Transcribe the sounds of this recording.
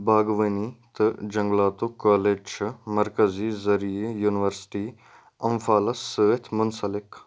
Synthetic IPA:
baːɡʋɐnit̪ɨd͡ʒɐŋɡlaːt̪okaːlet͡ʃmɐɾkɐziːzɐɾiejuːnʋəɾsʈiː | ɐmfaːlɐsəʋet̪ʰmʊnsɐlɪk

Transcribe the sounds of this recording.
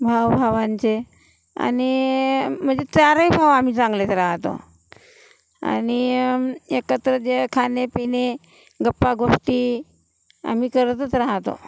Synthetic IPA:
bʱaʋbʱaʋant͡se | a̰ni | m̤əɳd͡zet͡saɾəjbʱaʋam̤iːt͡sãŋɡlet̪eɾaɦt̪o̰ | a̰ni | ekət̪ɾəd͡zekʰanepine | ɡəpːaɡoʂʈiː | a̰m̤iːkəɾt̪ət͡sɾaɦt̪o̰

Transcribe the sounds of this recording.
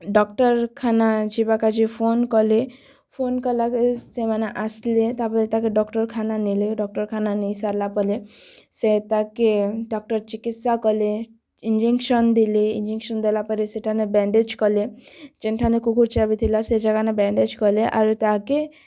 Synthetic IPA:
ɖɔkʈɔɾkʰanad͡ʒibakad͡ʒipʰonkɔle | pʰonkɔlakesemaneʔaslet̪apɔlet̪akeɖɔkʈɔɾkʰananileɖɔk̚ʈɔɾkʰananijsaɾlapɔleset̪akeɖɔk̚ʈɔɾt͡ʃikit̪sakɔle | ind͡ʒiŋkʃɔnd̪ileind͡ʒiŋʃɔnd̪elapɔleseʈʰanebɛɳɖed͡ʒkɔled͡ʒenʈʰanekukuɾt͡ʃabit̪ʰilased͡ʒaɡanebɛɳɖed͡ʒkɔleʔaɾut̪ake

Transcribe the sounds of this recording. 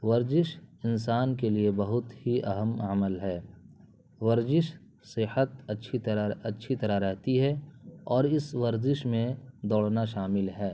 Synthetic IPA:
ʋɐɾzɪʃɪnsaːnkeliebɐɦʊt̪hiʔɐɦəmɐməlɦɛː | ʋɐɾzɪʃ | sɪhət̪̚ɐtːʃʰit̪ɾaɐtːʃʰit̪ɐɾaɾɛɦt̪iɦɛɔːɾɪsʋɐɾzɪʃmẽd̪ɔːɽnaʃaːmɪlɦɛː

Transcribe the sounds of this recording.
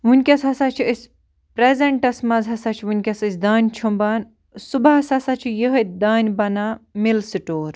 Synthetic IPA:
ʋunʲkʲɐsɦɐsaːt͡ʃʰiisʲ | pɾezeɳʈɐsmɐzɦɐsat͡ʃʰʋunʲkʲɐsɐsʲd̪aːnʲt͡ʃʰumbaːn | subaɐsɐsat͡ʃʰijəɦəd̪aːnʲbɐnaːmilsɨʈoːɾ

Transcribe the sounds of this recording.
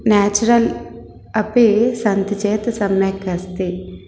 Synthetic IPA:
naːt͡ʃuɾɐl | ɐpisɐnt̪it͡ʃɛːt̪ɐsɐmjɐkɐst̪i

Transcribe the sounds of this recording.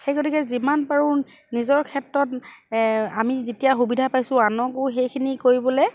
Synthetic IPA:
xejkotʰikɛzimanpaɹu | nizɔɹkʰɛtɹɔt | amizetijaxubidʱapajsʊ̃anɔkʊxejkʰinikoɹibɔlɛ

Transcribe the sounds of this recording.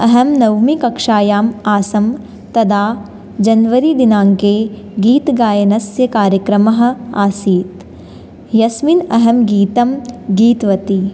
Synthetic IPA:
ɐɦɐmnɐwmikɐkʂaːjaːmaːsɐm | t̪ɐd̪aː | d͡ʒɐnʋɐɾid̪inaːŋke | ɡiːt̪ɡaːjɐnɐsjɐkaːɾjɐkɾɐmɐɦɐ̆aːsiːt̪ | jɐsminɐɦɐmɡiːt̪ɐmɡiːt̪ʋɐt̪i

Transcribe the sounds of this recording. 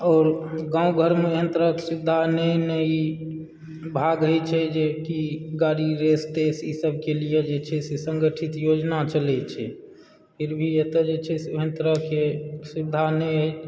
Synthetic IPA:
ɔːɾɡãːũɡʱəɾmeɦənt̪əɾəksud̪ʱːanɛinəi | bʱaɡɾəɦɛt͡ʃʰɛd͡ʒekiɡaɾiɾest̪esisəb̚ʱkelijed͡ʒet͡ʃʰɛsesəŋɡəʈʰit̪jod͡ʒnat͡ʃəlɛt͡ʃʰɛ | pʰiɾbʱiet̪əd͡ʒet͡ʃʰɛsɦə̃nt̪əɾəɦkesud̪ʱːanɛ

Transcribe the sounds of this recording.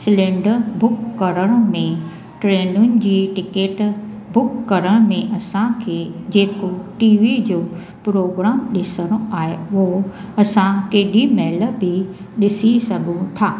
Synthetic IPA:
sɪlẽːɳɖəɾbʊkːɐɾəɽ̃ə̆mẽ | ʈɾeːnʊnɪ̆d͡ʑiːʈɪkeːʈ | bʊkːɐɾəɽ̃mẽʔɐsãkʰeːd͡ʑeːkoʈiːʋid͡ʑoː | pɾoːɡɾaːmɗɪsəɽ̃õaːɦeʊɦoɐsãkeːɗimeːlə̆bɪ | ɗɪsisɐɡʱũt̪ʰaː

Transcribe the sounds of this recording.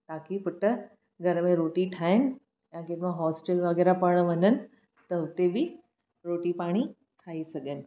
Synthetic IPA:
t̪aːkipʊʈə | ɡʱɐɾəmẽɾoːʈiʈʰaːɪnɪ̆ | jãkeʈmãɦɔːsʈelʋəɡɛːɾapəɽ̃əʋənənɪ̆ | t̪əʊt̪ebʱi | ɾoːʈipaːɽ̃i | ʈʰaːisɐɡenɪ̆

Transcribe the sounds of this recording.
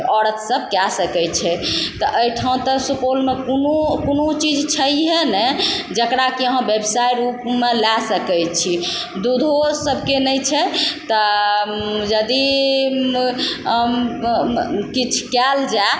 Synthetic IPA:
ɔɾət̪səb̚ʱkɛsəkɛjt͡ʃʰɛt̪ɔʔəjʈʰaũt̪əsupolmekonokonot͡ʃid͡ʒt͡ʃʰəjɦɛnɛd͡ʒəkɾakiəɦə̃bebsajɾupmelɛsəkɛjt͡ʃʰi | d̪ud̪ʱosəbʱkenəjt͡ʃʰɛt̪ɔ | d͡ʒəd̪i | kit͡ʃʰkɛld͡ʒa

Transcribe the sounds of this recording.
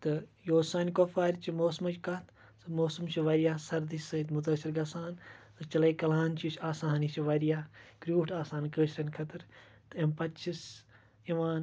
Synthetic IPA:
t̪ɨjoːsaːnkoːfaːɾʲt͡ʃimoːsmɐt͡ʃkɐt̪ʰ | sɨmoːsumt͡ʃʰiʋɐɾijaːsɐɾd̪isɐt̪mut̪ɐsiɾɡɐsaːnsɨt͡ʃɐlɐkɐlaːnt͡ʃʰit͡ʃʰaːsaːnit͡ʃʰiʋɐɾijaːkɾʲuːʈʰaːsaːnkəːʃɾɐnkʰɐt̪ɨɾ | t̪ɨempɐt͡ʃʰis | iʋaːn

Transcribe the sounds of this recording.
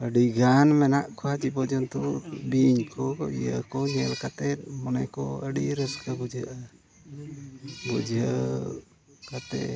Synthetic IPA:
əɖiɡanmɛnaʔkʰɔat͡ʃipɔd͡ʒɔnt̪ubiɲkʰɔijəkɔɲɛlkat̪ɛt̪̚mɔnɛkɔ̰əɖiɾəskʰabud͡ʒəʔa | bud͡ʒə | kat̪ɛ̰

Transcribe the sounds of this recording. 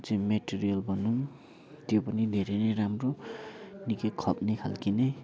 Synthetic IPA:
t͡semeʈiɾijʌlbʱʌnun | t̪jopʌnid̪ʱeɾeɾeɾamro | nikekʰʌp̚nekʰa̰lkine

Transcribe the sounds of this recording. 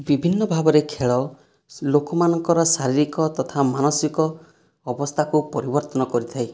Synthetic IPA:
bibʱinːɔbʱabɔɾekʰeɭɔ | lokɔmanɔŋkɔɾɔsaɾiɾikɔt̪ɔt̪ʰamanɔsikɔː | bɔst̪ʰakupɔɾibɔɾt̪ɔnɔkɔɾit̪ʰaj

